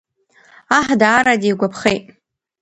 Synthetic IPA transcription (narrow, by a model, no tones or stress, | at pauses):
aħdaːɾadijɡʷapʰχejtʼ